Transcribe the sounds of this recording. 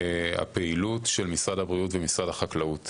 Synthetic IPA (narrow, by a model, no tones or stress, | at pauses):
a̰peilutʃelmisʁadhabʁijutvemisʁadhaχaklaut